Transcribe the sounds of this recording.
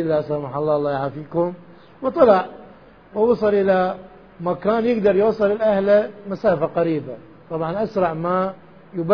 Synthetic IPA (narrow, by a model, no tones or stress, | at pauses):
ɪlːaʔsamaħɑlˤːɑːlˤːɑːjaʕafiːkʊm | wt̪ˤːɑlɑʕ | wɪwɑsˤɨlʔɪla | makaːnjɪɡd̪ɑɾˤjwɑsˤːɨlɪlʔahlamasaːfaqaɾiːba | t̪ˤɑbʕɑnʔasɾˤɑʕma | jʊba